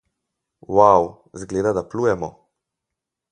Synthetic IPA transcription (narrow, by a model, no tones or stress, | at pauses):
waw | zɡleːd̪ad̪aplujɛmɔ̰